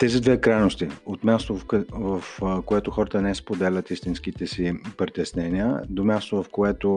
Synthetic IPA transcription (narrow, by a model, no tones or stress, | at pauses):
t̪ɛzid̪vɛkɾajnost̪iot̪mʲjast̪ovvɐfkoɛt̪oxɔɾət̪ənɛspod̪ɛlʲət̪ist̪insk̟it̪ɛsipɾit̪ɛsnɛniə̰d̪omʲjast̪ovɐfkoɛt̪o